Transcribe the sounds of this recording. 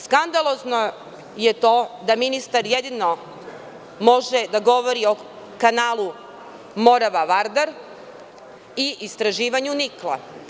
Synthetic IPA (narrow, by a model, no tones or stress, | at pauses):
skand̪alˠo̞zno | jet̪o̞ːd̪aminist̪aɾjed̪ino | mo̞ʒed̪aɡo̞ʋo̞ɾio̞ | kanaːlˠu | mo̞ɾaʋaʋaɾd̪aɾ | iʔist̪ɾaʒiːʋaɲuniklˠa̰